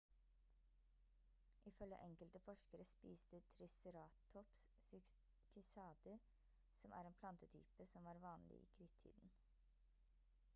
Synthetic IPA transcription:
ʔɪfœljə̰ʔɛŋkəlt̪əfɔʃkəɾəspiːsət̪ʰɾɪsəɾɑːt̪ʰɔpssɪ | kʰɪsɑːd̪̥əɾ | sɔmʔæ̰ːɾeːnpʰlɑnt̪ət̪ʰy̰ːpəsɔmʋɑːɾʋɑːnlɪ̰ḭːkʰɾɪt̪ʰḭːd̪n̩

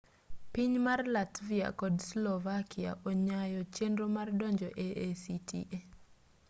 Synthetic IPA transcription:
piɲmarlatvia̰kɔdslɔvakia̰ʔoɲajɔt͡ʃendɾomardɔɲd͡ʒɔʔeʔesitḭʔe

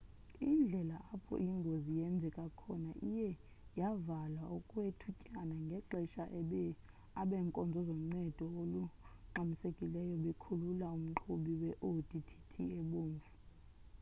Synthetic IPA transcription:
ind͡ɮʱɛlaʔapʰɔ̰ʔiŋɡʱozijɛnd͡zʱɛkʼakʰɔnaʔijɛ | javalwaukʼuwetʰucʼanaŋɡʱɛǃɛʃaʔ | aɓɛŋkʼɔnd͡zʱɔzɔŋ͡ǀɛd̥ʱɔoluǃamisekʼilɛjɔɓekʰululaum̩ǃʰuɓiwɛʔod̥ʱʼitʰi̥tʰḭɛɓoːɱvu̥

